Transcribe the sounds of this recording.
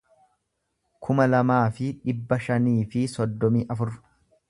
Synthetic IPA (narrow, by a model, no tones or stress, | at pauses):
kʰʊmɐlɐmaːfɪᶑɪbːɐʃɐniːfɪsɔd̪ːɔmiːʔɐfʊɾ